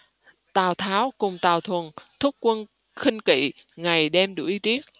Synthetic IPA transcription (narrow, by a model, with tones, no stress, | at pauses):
t̪aː˨˩wt̪ʰaː˨˦wkʊ˨˩ŋ͡mt̪aː˨˩wt̪ʰwə˨˩nt̪ʰʊ˦˥k͡p̚kwə˧n | xï˧ŋ̟kḭ˧˨ | ŋa˨˩jɗɛ˧mɗṵ˧˩˦ʔi˨˦t̪i˦˥ək̚